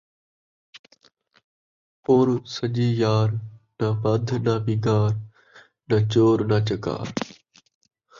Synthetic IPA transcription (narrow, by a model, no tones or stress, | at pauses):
poːɾsəʄiːjaːɾnaːʋad̪ʱnaːʋiːɡaːɾ | nɐt͡ʃoːɾnaːt͡ʃəka̰ːɾ